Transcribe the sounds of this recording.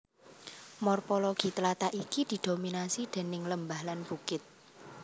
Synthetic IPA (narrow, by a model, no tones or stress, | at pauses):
mɔrfɔlɔɡ̥i̤t̪əlat̪aʔikid̪̥i̤d̪̥o̤minasid̪̥e̤nɪŋləmbahlanb̥ukɪt̪̚